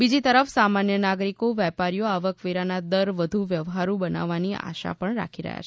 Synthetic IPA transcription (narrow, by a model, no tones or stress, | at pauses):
bid͡ʒit̪əɾəfsamanjənaɡɾikoʋɛpaɾijoaʋəkʋeɾanad̪əɾʋəd̪ʱuʋjəʋɦaɾũbəna̰ʋːania̰ʃa̰pəɳɾa̰kʰiɾə̰ɦja̰t͡ʃʰe